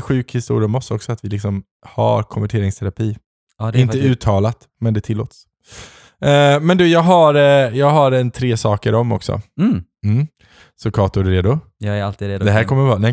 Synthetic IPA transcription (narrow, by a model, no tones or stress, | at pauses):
ɧʉ̟ːkhɪst̪ṵːɾɪəmɔsɔksɔat̪vɪlɪksɔm | ha̰ɾkʰɔnvæʈʰeːɾɪŋst̪ʰɛɾapʰiː | ɪnt̪əʉ̟ːt̪ʰːɑːlat̪ | mɛnd̪ɛt̪ʰɪlːo̰ːt̪s | ɛmɛnd̪ʉːjɑːɡɦaɾjɑːɡɦaɾɛnt̪ʰɾeːsɑːkəɾɔmːɔ̰ksɔ̰ | m̩ | sɔkʰɑːt̪ʊɖʉɾeːd̪ʊ | ɛɾalt̪iːd̪ɛɦæːɾkʰɔmːəɾvɑːnɛ